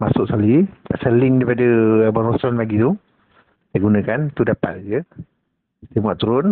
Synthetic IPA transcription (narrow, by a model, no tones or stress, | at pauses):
masʊʔskaliaʔselɪŋɾipadəbaɾɔsɔnlaɡit̪u | sajɡunə̃kant̪udapa̰t̪̚d͡ʒə | t̪imaʔt̪uɾʊn